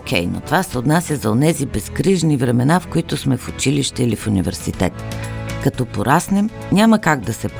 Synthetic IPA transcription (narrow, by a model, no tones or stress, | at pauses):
kʲɛ̰jno̰t̪ovasɛot̪nasʲəzɐonɛzibɛskɾiʒnivɾɛmɛnafkoit̪ʊsmɛfʊt͡ʃiliʃt̪ɛilifunivɛ̰ɾsḭt̪ɛ̰t̪kɐt̪ɔpoɾasnɛm | nʲaməkaɡ̚d̪ɐsɛp